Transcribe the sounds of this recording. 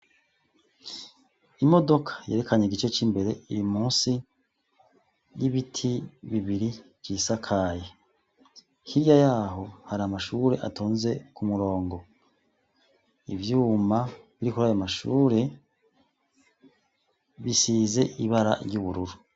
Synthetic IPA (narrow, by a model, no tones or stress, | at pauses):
imo̞do̞kʰḁje̞ːɾe̞kʰaɲeɡit͡ʃe̞t͡ʃimbe̞ɾe̞iɾimuːnsi | jiβitʰiβiβiɾi̥ | isakʰaje | hiɾjajaːɦo̞haɾamaʃuɾe̞ʔa̰tʰoːnze̞kumuɾo̞ːŋɡo̞ | ivjuːmaβiɾikuɾajamaʃuːɾe̞ | βisiːze̞ʔiβaɾa̰ɾjuβuɾuɾu